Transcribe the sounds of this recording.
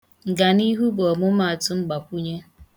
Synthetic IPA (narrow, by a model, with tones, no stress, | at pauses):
ŋ̩˨ɡa˨ni˦ɦu˦bɔ˨mʊ˦ma˨tʊ˦ŋ͡m̩˦ɡ͡ba˨kʷu˦ɲe˦